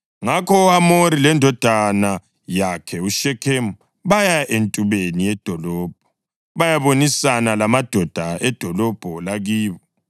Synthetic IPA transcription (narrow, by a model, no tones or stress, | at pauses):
ŋakʰɔamoɾilɛndʱɔd̥ʱana | jakʰɛuʃɛkʰem | βajaʔentʼuβenijɛd̥ʱɔlɔːb̥̚ʱɔ | βajaβonisanalamad̥ʱɔd̥ʱaɛd̥ʱɔlɔb̥ʱɔlaɣiːβɔ